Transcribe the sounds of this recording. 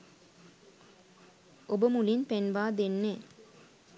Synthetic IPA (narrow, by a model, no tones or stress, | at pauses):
ʔobəmulinpenʋaːd̪enːe